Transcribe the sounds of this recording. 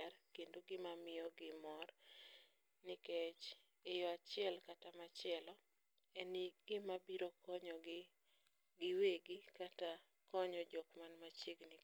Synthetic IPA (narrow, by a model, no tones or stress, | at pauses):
ɛrkendoɡɪmamɪjɔɡɪmɔr | nɪket͡ʃ | ɪjɔat͡ʃɪɛlkatamat͡ʃɪɛlɔ | ɛniɡɪmabiɾokɔɲɔɡ | ɡɪweɡɪkata | kɔɲɔd͡ʒɔkmanmat͡ʃiɡnɪ